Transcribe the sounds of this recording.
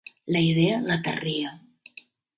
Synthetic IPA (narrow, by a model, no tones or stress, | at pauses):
ləiðeələt̪ə̰riə